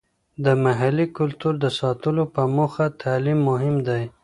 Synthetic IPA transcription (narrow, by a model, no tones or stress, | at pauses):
d̪əmaɦalikʊlt̪uɾd̪əsɑt̪əlopəmoxat̪ʰalimːʊɦɪmd̪aj